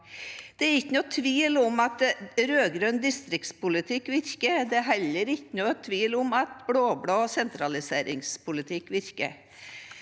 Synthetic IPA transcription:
d̪̥ɛæɾɪkːənʊt̪ʰʋiːlʊmɑt̪ɾøːɡɾøːnd̪ɪst̪ɾɪkt̪spʊlɪt̪ʰɪkːʋɪɾkəɾd̪ɛæɦɛlːəɾɪçːənut̪ʰʋiːlʊmɑt̪bɽoːbɽoːsɛnt̪ɾɑlɪseːɾɪŋspʰʊlɪt̪ʰɪkːʋɪɾkə̰ɾ

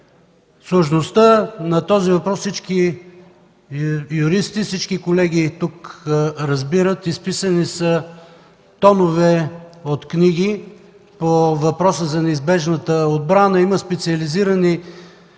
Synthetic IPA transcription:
suʒnost̪ənɐt̪ɔzivɐpɾɔssit͡ʃki | juɾist̪ifsit͡ʃkikolɛɡ̟it̪ukɾɐzbiɾət̪ispisənisə | t̪ɔnovɛot̪kniɡ̟i | povɐpɾɔsəzɐnɛizbɛʒnət̪əod̪̚bɾanəiməspɛt̪siɐliziɾəni

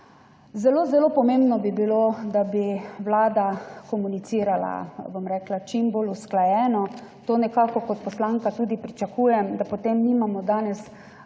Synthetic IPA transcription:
zɛloːzɛloːpɔmembnɔbibilod̪abiwlaːd̪akɔmunit̪siːɾala̰bomɾɛːklat͡ʃimbolusklajɛːnɔt̪oːnɛkaːkɔkɔt̪pɔslaːŋkat̪uːd̪ipɾit͡ʃakuːjɛmd̪apot̪emniːmamɔd̪aːnɛs

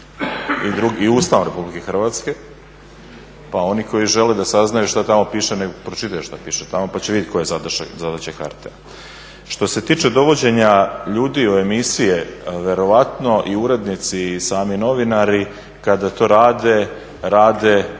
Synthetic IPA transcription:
id̪ɾuɡːuːst̪aʋnuɾe̞publike̞xr̩ʋaːt̪ske̞ | pao̞niko̞jiʒe̞led̪asaznajuʃt̪at̪amo̞piːʃeneɡopɾot͡ʃit̪ajuʃt̪apiːʃet̪amo̞pat͡ɕeʋid̪jet̪ʲkojezad̪ʃzad̪at͡ɕeka̰ɾt̪e | ʃt̪o̞se̞t̪iːt͡ʃe̞d̪o̞ʋo̞d͡ʑe̞ɲaʎuːd̪ioe̞misije̞ʋe̞ɾo̞ʋat̪no̞ʔiuɾe̞d̪nit̪sisaːmino̞ʋinaɾi | kad̪at̪o̞ːɾaːd̪e̞ | ɾaːd̪e̞

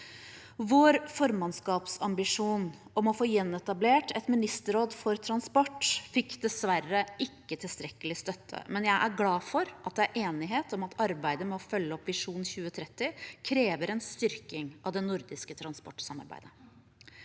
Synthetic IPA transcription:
ʋoːɾfɔɾmɑnskɑːpsɑmbɪʂuːnɔmɔfoːjɛnːɛt̪ɑbleːʈʰɛt̪mɪnɪst̪əɾoːd̪fɔɾt̪ʰɾɑnspɔʈːfɪkːd̪ɛsʋæɾəʔɪkːət̪ʰɪlst̪ɾɛkəlɪst̪œt̪ʰːə̰mɛnjæɪʔæɾɡlɑːfɔɾʔɑt̪̚d̪ɛæʔeːnɪɦeːt̪ɔmɑt̪ɑɾbæɪd̪əmɛɔfœlːəɔpʋɪʂuːn̩çʉːət̪ʰɾɛt̪ːɪkʰɾeːʋəɾɛnst̪ʏɾkɪŋɑʋd̪ɛnʊɾd̪ɪskət̪ʰɾɑnspɔʈsɑmɑ̰ɾbæ̰ɪd̪ə

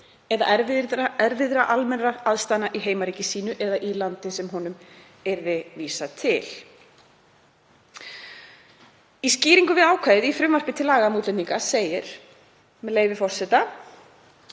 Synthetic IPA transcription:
ɛða̰ʔɛɾɛɾvɪðɾaʔalmɛnraaðst̪anːaʔiɦeːjmaɾiːcɪsiːnʏʔɛðaʔilant̪ɪsɛmɦɔnʏm | ɛɾvɪviːsat̪ʰɪl̥ | isciːɾiŋkʏvɪðaːwkʰaːjðɪðifɾʏmvar̥pɪt̪ʰɪlaːɣamuːt̪lɛnniŋkaseːjɪɾ̥ | mɛleːjvɪfɔr̥sɛt̪a

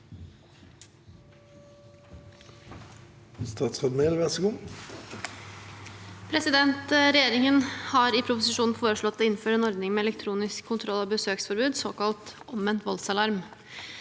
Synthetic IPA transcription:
st̪ɑːt̪sʁɑd̪med̪ʋɛsəɡuː | pʰɾɛsɪd̪ɛnt̪ɾɛjeːɾɪŋənhɑɾɪpʰɾʊpʊsɪʂuːnn̩foːɾəʂɭɔt̪̚ːd̪ɛɪnn̩føːɾeːnɔɾd̪nɪŋmɛːlɛk̚t̪ʰɾuːnɪskʰːʊnt̪ʰɾɔlːɑːbəsøːksfɔɾbʉːd̪soːkɑlt̪ɔmʋɛnt̪ʋɔlsɑlɑɾm

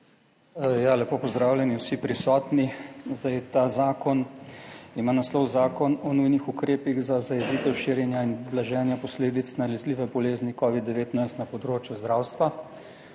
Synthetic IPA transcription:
jalɛpoːpɔzd̪ɾaːwlʲjɛniwsipɾisɔːt̪nizd̪ajt̪aːzaːkɔn | imanaslɔwzaːkɔnɔnujnixukɾeːpiɣzazajɛziːt̪ɛwʃiːɾjɛnjainblaʒɛːnjapɔsleːd̪it̪snalɛzliːʋɛbɔleːznikɔːʋid̪ːɛʋeːt̪najst̪napɔd̪ɾoːt͡ʃjuzd̪ɾaːwst̪ʋa

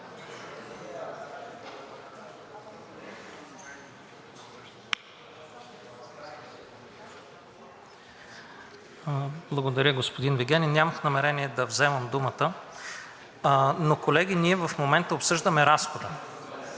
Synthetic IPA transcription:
blˠɐɡod̪ɐɾʲəɡospod̪inviɡʲɛninʲamɐxnɐmɛɾɛniɛd̪ɐvzɛmɐmd̪umət̪ə | nokolɛɡ̟ʲiniɛvɐfmomɛnt̪əopsɤʒd̪əmɛɾasxod̪ə

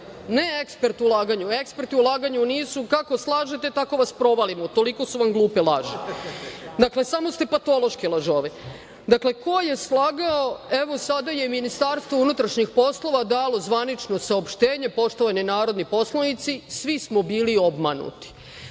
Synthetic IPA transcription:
ne̞ekspeɾt̪ulˠaːɡaɲuekspeɾt̪iulˠaːɡaɲuniːsukako̞slˠaːʒe̞t̪e̞t̪ako̞ʋaspɾo̞ʋalimot̪o̞liko̞suʋamɡlˠuːpelˠaːʒe | d̪akle̞samo̞st̪e̞pat̪o̞lo̞ʃkilˠaʒoːʋe | d̪akle̞ko̞jje̞slˠaːɡaoe̞ʋo̞sad̪ajeminist̪aːɾst̪ʋounut̪ɾaʃɲixpo̞slˠo̞ʋad̪aːlo̞zʋanit͡ʃno̞saopʃt̪e̞ːɲe̞po̞ʃt̪o̞ʋaɲenaːɾo̞d̪nipo̞slˠanit̪sisʋismobiːlio̞bmanṵt̪i̥

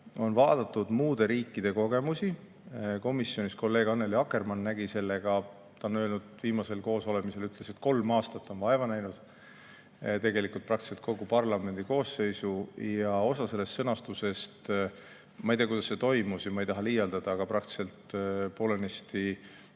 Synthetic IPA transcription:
o̞nvɑːd̪̥ɑt̪ːˑud̪̥muːd̪̥e̞ɾiːkːid̪̥e̞ko̞ɡ̥e̞musi | ko̞misːjo̞nisko̞lːe̞ːɡ̥ɑnːe̞liɑkːe̞rmɑnːæɡ̥ise̞lːe̞ɡ̥ɑ | t̪ɑnø̞ːlnud̪̥viːmɑse̞lko̞ːso̞lemise̞lyt̪ˑle̞se̞t̪ko̞lmɑːst̪ɑt̪ːˑo̞nvɑevɑnæjnud̪̥ | t̪e̞ɡe̞likˑult̪̚prɑk̚t̪i̥selt̪̚ko̞ɡupɑrlɑme̞nd̪̥iko̞ːse̞jsujɑo̞sɑse̞lːe̞st̪sɤnɑst̪use̞st̪ | mɑijt̪eɑkujd̪̥ɑse̞t̪o̞jmusjɑmɑejt̪ɑɦɑlijɑld̪ɑd̪̥ɑːɡ̥ɑpɾɑk̚t̪i̥se̞lt̪po̞ːlenest̪i

